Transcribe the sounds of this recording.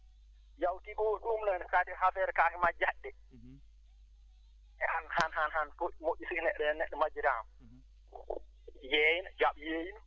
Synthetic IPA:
jawtikɔwɗumnansadihafɛɾkakimad͡ʒaɗːɛ | ʔɛʔanhanhanhanfoʔmoʔːisinɛɗɛnɛɗːɛmad͡ʒiɾam | jɛjnd͡ʒaɓjejin

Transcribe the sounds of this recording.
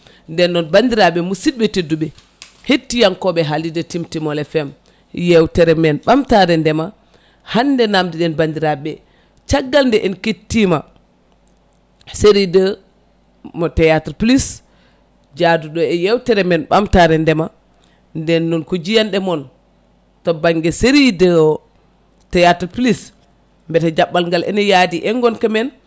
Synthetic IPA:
ndɛnːɔnbandiɾaɓɛmusit̚bɛtedːuɓɛ | hetːijankɔɓɛɦalidətimtimɔlɛfɛm | jɛwtɛɾɛmɛnɓamtaɾɛndɛma | handɛnamdiɗɛnbandiɾaɓɛ | t͡ʃaɡːalndɛʔɛnketːima | seɾidə | mɔtɛjatɾplis | d͡ʒaduɗɔɛjɛwtɛɾɛmɛnɓamtaɾɛndɛma | ndɛnːɔnkud͡ʒijanɗɛmɔn | tɔbaŋɡɛseɾidə | tɛjatplis | mbɛtad͡ʒaɓːalŋɡalʔɛ̰nɛjadiʔɛŋɡɔnkamɛn

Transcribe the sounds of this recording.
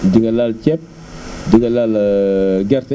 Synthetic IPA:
diɡɐlalt͡ʃɛp̚ | diɡɐlal | ɡɛɾt

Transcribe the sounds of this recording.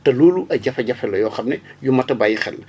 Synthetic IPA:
tɐluːluɐɟɐfɐɟɐfɛlɐjɔːxɐmnɛjumɐtɐbajixɛ̰l

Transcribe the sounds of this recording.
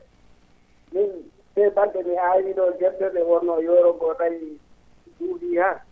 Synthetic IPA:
min | sɛbandɛmiajidɔɡɛbɛbɛwɔnɔjɔɾɔɡɔnaji | duːɡiha

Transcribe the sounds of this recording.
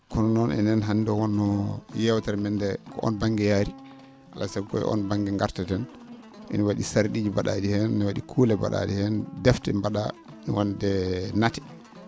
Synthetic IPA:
kɔnɔnɔnɛ̰nɛnɦandɔwɔnːɔjɛwtaɾmɛndɛkʰɔ̰ʔɔ̰nbaŋɡɛjaɾi | ʔa̰lasɛɡɔ̰jɛ̰ʔɔ̰nbaŋɡɛŋɡaɾtɛtɛn | ʔḭniwaɗisaɾɗiːd͡ʒibaɗadihɛnnwaɗikʰuːlɛba̰ɗa̰d͡ʒihɛndɛftɛmbaɗa | wɔndɛnatɛ̥

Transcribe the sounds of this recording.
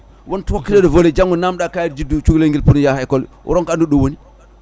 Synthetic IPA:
wontwokːiledovoled͡ʒaŋːunamɗakajd͡ʒidut͡ʃuɡleŋɡilpunjahɛkol | ṵɾɔŋkanduɗowoni

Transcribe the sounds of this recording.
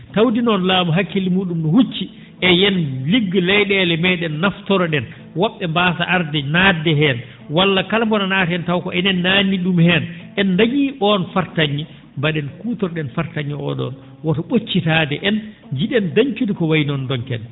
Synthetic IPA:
tawdinɔnlaːmɔɦakːilimuːɗumnɔhut͡ʃːi | ʔɛjɛnliɡːlɛjɗɛlɛmɛɗɛnːaftɔɾɔɗɛn | wɔɓːɛmbaːtaʔaɾdɛnaːdɛɦɛn | walːakalmbɔnanatɛntawkɔɛnɛnːanːiɗumhɛnʔɛndaɲiʔɔnfaɾtaɲːi | mbaɗɛnkuːtɔɾɗɛnfaɾtaɲːiɔ̰ɗɔ̰n | wɔtɔɓot͡ʃːitadɛʔɛn | d͡ʒiɗɛndaɲt͡ʃudikɔwajnɔndɔnkɛn

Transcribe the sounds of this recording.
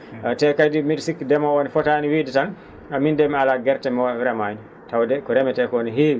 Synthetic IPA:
tɛkajdimidsikːidɛmawonifɔtaːniwiːdɛtan | amindɛmialaɡɛɾtɛmɾɛmaɲi | tawdɛkɔɾɛmɛtɛkɔniɦeːwi

